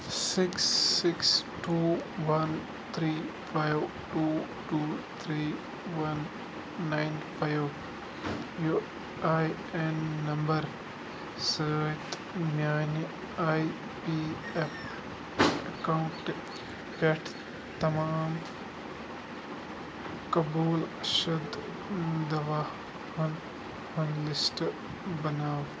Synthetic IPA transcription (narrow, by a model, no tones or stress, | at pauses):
sɪksːɪksʈuːʋɐn | t̪ʰɾiːpʰajw | ʈuː | ʈuːt̪ʰɾiː | ʋɐnː | aɪnpʰajw | ju | aj | enːɐmbɐɾ | səːt̪ | mjaːni | aːj | piː | ep | ɐkaɳʈ | peʈʰ | t̪ɐmaːm | kɐbuːlʃud̪ʱ | d̪ɐʋaː | hɐn | hʊnlɪsʈ | bɐnaːw